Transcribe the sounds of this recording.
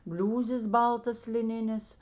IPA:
ˈbʲlʲuːzʲeːs ˈbɐlˠtɐs lʲɪˈnʲɪnʲeːs

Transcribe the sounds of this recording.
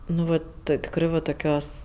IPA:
nʊ ˈʋɐt ˈtɜ tʲɪkˈrɜ ʋɐ toːˈkʲoːs

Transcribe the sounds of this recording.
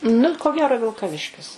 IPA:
nʊ koː ˈɡʲæːroː ʋʲɪlˠkɐˈʋʲɪʃʲkʲɪs

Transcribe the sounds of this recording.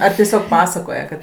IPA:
ɐr tʲiɛˈsʲoːk ˈpɑːsɐkoːjɛ kɐt

